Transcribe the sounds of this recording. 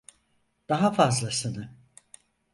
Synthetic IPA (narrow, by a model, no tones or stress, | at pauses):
d̪̥aɦafazlˠasɯnɯ